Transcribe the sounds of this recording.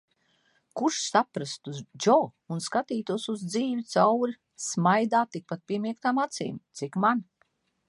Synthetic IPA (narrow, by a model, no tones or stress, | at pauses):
kuʃsapɾast̪uzd͡ʒɔːunskat̪iːt̪uɔsuzd̪ziːvʲit̪sawɾi | smajd̪aːt̪ik̚pat̪̚piɛmiɛk̚t̪amat̪sḭːmt̪sikman